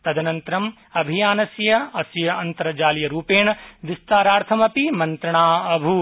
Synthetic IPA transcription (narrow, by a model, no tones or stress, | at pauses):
t̪ɐd̪ɐnɐnt̪ɾɐm | ɐbʱijaːnɐsjɐɐsjɐɐnt̪ɐɾɐd͡ʒaːljɐɾuːpeːɳɐʋist̪aːɾaːɾt̪ʰɐmɐpimɐnt̪ɾɐɳaːɐbʱu